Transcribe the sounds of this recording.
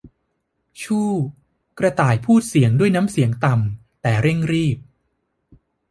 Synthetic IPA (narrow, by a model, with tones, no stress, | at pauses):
t͡ɕʰuː˥˩ | kɾa˧t̪aː˨˩jpʰuː˥˩t̪̚si˩˦əŋdu˥˩əjna˦˥msi˩˦əŋt̪a˨˩m | t̪ɛː˨˩ɾe˥˩ŋɾiː˥˩p̚